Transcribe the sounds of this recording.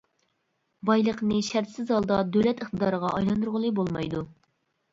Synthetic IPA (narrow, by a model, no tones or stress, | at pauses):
bɑjlˠəqnɨʃæɾt̪sɪzɑlˠd̪ɑd̪øwlɛt̪əχt̪əd̪ɑːɾəʁɑɑjlˠɑnd̪uɾʁəlˠɨbolˠmɑ̰jd̪u